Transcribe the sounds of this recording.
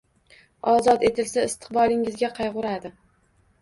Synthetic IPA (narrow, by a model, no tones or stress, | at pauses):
ɒzɒt̪e̞t̪ʰɪlsaɪst̪ʰɨ̥qbɒlˠɪŋɪzɡʲaqʰɑjʁʊɾad̪ɪ